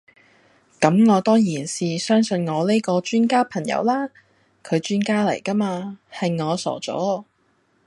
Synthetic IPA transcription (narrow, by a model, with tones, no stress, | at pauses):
kɐ˨˥mŋɔː˨˧t̪ɔː˥jiː˨˩nsiː˨sœː˥ŋsɵ˨˧nŋɔː˨˧le˥jkɔː˧t͡ʃyː˥nkaː˥pʰɐ˨˩ŋjɐ̰˧wlaː˥ | kʰɵ˨˧ɥt͡ʃyː˥nkaː˥lɐ˨˩jkɐ˥maː˧hɐ˨jŋɔː˨˧sɔ̰ː˨˩t͡sɔ̰ː˨˥